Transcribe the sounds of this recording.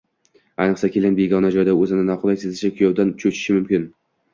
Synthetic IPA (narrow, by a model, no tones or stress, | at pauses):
ajnɨqsakʲʰelʲanbeɡɒnad͡ʒɒjd̪aɵzɪnɪnɒqʊlˠajsezɪʃakʲʰʊjɒwd̪ant͡ʃʰɵt͡ʃʰɪ̥ʃɪmʊmkʲɪn